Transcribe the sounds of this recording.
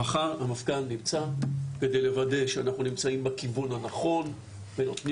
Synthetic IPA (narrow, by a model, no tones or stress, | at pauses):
aχaʁamafɡanːimt͡sake̞de̞jlevade̞ʃeanaχnunimt͡saimbakivunhanaχo̞n | benotni